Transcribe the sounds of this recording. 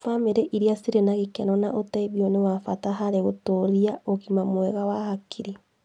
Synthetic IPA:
fameɾeʔiɾiasiɾenaɣekɛnɔnaʔotaiβjonewafataɦaɾeɣotoɾiaoɣimamwɛɣawahakʰiɾi

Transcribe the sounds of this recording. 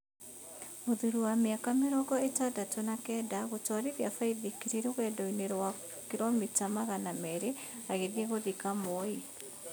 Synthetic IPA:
moðuɾuwameakameɾɔɡɔetadatonakɛdaɣotwaɾiðiafaiðikiɾiɾoɣɛdɔineɾwakiɾɔmitamaɣanamɛɾeaɣeðieɣoðikamɔi

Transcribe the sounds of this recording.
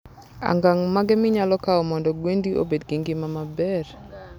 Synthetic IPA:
a̰ŋɡaŋmaɡɛmɪɲalɔkaɔmɔndɔɡwendiʔo̰bedɡiŋɡɪmamabɛr

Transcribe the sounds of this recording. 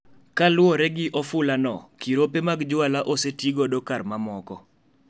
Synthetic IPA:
kalʊɔɾɛɡɪʔɔfʊlanɔ̰kiɾopemaɡd͡ʒʊalaʔosetiɡodokarmamɔkɔ

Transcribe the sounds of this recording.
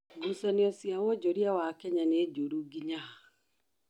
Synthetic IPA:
ɡusaneɔsjawɔd͡ʒɔɾiawakɛɲaned͡ʒoɾuɡiɲa

